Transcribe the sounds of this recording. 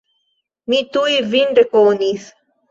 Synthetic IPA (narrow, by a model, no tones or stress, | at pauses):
mit̪uivinɖekoːnis